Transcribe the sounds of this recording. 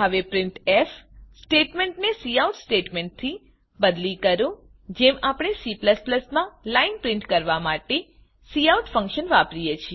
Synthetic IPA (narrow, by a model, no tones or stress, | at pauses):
ɦəʋepɾɪɳʈefsʈeʈmẽɳʈnesiauʈsʈeʈmeɳʈ̚t̪ʰi | bəd̪likəɾũ | d͡ʒemapɽ̃esipləspləsmãlainpɾɪ̃ɳʈkəɾʋamaʈe | siauʈfə̃ŋkʃənʋapɾijet͡ʃʰie